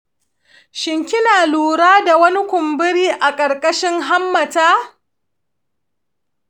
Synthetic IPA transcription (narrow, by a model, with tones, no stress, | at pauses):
ʃɪ˨ŋkʲɪ˦naː˨luː˨ɾaː˦da˨wɐ˦nɪ˦kʷʊ˨mbɪ˦ɽiː˦ʔa˨kʼɐ˨ɾkʼɐ˦ʃɪ˦ŋɦa˦mːɐ˨taː˦